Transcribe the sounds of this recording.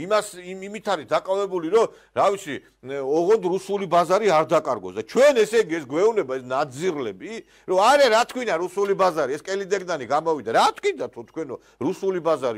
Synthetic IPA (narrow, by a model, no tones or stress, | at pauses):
imasimimit̪ʰaɾid̪akʼavɛbuliɾɔ | ɾavit̪sʰi | ɔʁɔnd̪ɾusulibazaɾiaɾd̪akʼaɾɡɔsd̪at͡ʃʰwɛnɛsɛɡiɛsɡwɛunɛbaɛsnad̪ziɾlɛbi | ɾɔaɾɛɾat̪ʰkʰwinaɾusulibazaɾiɛskʼɛlid̪ɛɡd̪aniɡamɔvid̪aɾat̪ʰkʰwid̪at̪ʰɔt̪ʰkʰwɛnɔ | ɾusulibazaɾi